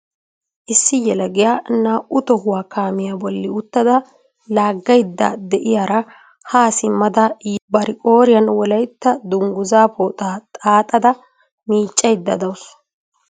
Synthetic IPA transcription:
ʔɪsːɪjɛlɐɡɪjaːnaːʔʊt̪ɔhʊwaːkaːmɪjabɔlːɪʊt̪ːɐd̪ɐ | laːɡːɐjd̪ːɐ̰d̪ɛʔɪjaɾɐ | haːsɪmːɐd̪ɐbɐɾɪkʼo̞ːɾɪjɐnwɔlɐjt̪ːɐd̪ʊŋɡʊzaːpʰoːt̪ʼaːt̪ʼaːt̪ʼɐd̪ɐ | miːt͡ʃʼːɐjd̪ːɐd̪ɐwʊs

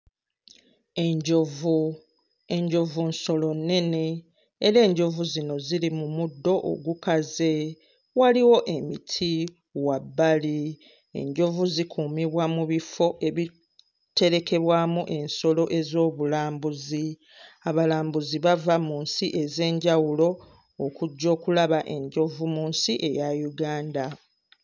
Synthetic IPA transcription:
eɲɟovu | e̞ɲɟo̞vunso̞lo̞nːe̞ne̞ː | ɾe̞ːɲɟo̞vuzino̞ziɾimumudːo̞ʔo̰ɡukaze̞ | waliwo̞ʔe̞mitʰi | wabːali | e̞̰ɲɟo̞vuzikʰuːmiβwamuβifo̞ʔe̞βi | te̞ɾe̞ke̞βwamuʔe̞nso̞lo̞ʔe̞zo̞ːβulaːmbuzi | aβalaːmbuziβavamuːnsiʔe̞ze̞ːɲɟawulo̞ː | kuɟːo̞ːkulaβaʔe̞ɲɟo̞vumuːnsiʔe̞̰jajuɡaːnda

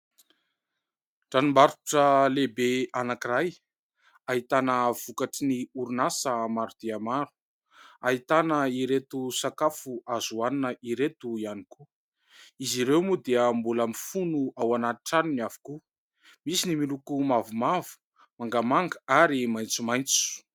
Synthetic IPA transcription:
ʈ͡ʂanimbaɾuʈ͡ʂəlebeanakiraj | aɦit̪anəv̥ukaʈ͡ʂiniuɾunasəmaɾud̪̥eamaɾu̥ | aɦit̪anəiɾet̪usakafuazuaninəiɾet̪uianiku | iziɾewmud̪eəmbulamifunuawanaiʈ͡ʂaniniavu̥ku | misinimilukumavumavu̥ | maŋɡamaŋɡəaɾimajnt͡sumajnt͡su̥

